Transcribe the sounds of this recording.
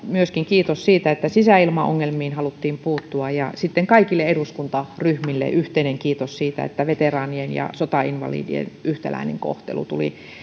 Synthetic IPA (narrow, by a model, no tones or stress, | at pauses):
myøskiŋkiːt̪ossiːt̪æet̪ːæsisæilmɑo̰ŋːelmiːnhɑlut̪ːiːmpuːt̪ːuɑjjɑsit̪ːeŋkɑikilːeeduskunt̪ɑryhmilːḛʔyht̪eineŋkiːt̪ossiːt̪æ̰ḛt̪ːæʋet̪erɑːnienjɑ̰sot̪ɑinʋɑ̰lḭːdḭḛnʔyht̪ælæ̰inḛŋko̰ht̪ḛlṵt̪ulḭ